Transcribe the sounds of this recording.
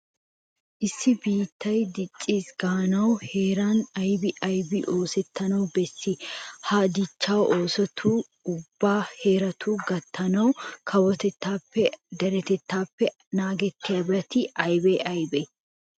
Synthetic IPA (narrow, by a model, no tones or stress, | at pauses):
ʔɪsːɪbiːt̪ːɐjd̪ɪt͡ʃʼːiːsɡ̥aːnɐwhe̞ːɾanɐjbɪʔɐjbɪʔo̞ːsɛt̪ːɐnɐwbɛsːɪhaːd̪ɪt͡ʃːawo̞ːsɔt̪ʰuː | ʊbːaːhe̞ːɾɐt̪ʰuːɡɐt̪ːɐnɐwkʰɐwɔt̪ɛt̪ːaːpːɛd̪ɐɾɛt̪ɛt̪ːaːpːɛ | naːɡɛt̪ːɪjabɾɐt̪ɪʔɐjbeʔɐjbɛ